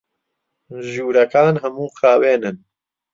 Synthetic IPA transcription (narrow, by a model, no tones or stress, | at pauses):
ʒuːɾɐkaːnɦɐmuːqaːweːnɨn